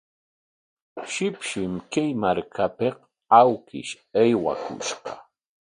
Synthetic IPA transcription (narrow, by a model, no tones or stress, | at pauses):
ʃɪpʃɪmkajmaɾkʰapeq | awkɪ̰ʃ | ajwa̰kʊ̰ʃɢɑ